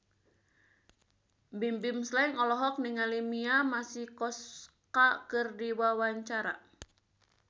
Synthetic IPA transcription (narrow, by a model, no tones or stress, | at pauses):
bimbimslaiŋɔlɔɦɔk̚niŋalimiamasihkɔskakɨrdiwawaɲt͡ʃaɾa